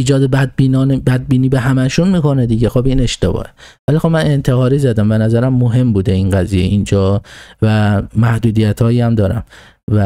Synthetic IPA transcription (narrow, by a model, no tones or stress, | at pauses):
iːd͡ʒɒːd̪ebinːnbæd̪̚biːniːbeɦæmæʃunmiːko̞ned̪iːɟexobine̞ʃt̪ebɒ̰ːhevælixobmæne̞nt̪ʰehɒːɾiːzæd̪æmbe̞næzæɾæmːoɦe̞mbuːd̪einɡæzijḛʔind͡ʒɒːvæmæhd̪uːd̪ijæt̪ʰhɒːjiːæmd̪ɒːɾæ̰m | væ